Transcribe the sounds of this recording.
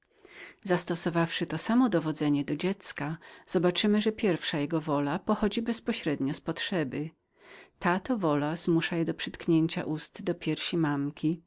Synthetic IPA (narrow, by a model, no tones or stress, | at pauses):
zast̪ɔsɔvafʂɘt̪ɔsamɔd̪ɔvɔd̪zɛɲɛd̪ɔd͡ʑɛt̪skaz̥ɔbat͡ʂɘmɘʐɛpʲjɛɾfʂajɛɡɔvɔlapɔxɔd͡ʑibɛspɔɕɾɛd̪ɲɔspɔtʂɛbɘ | t̪at̪ɔvɔlazmuʂajɛd̪ɔpʂɘt̪kɲeɲt͡ɕa̰ʔust̪d̪ɔpʲjɛɾɕimamkʲi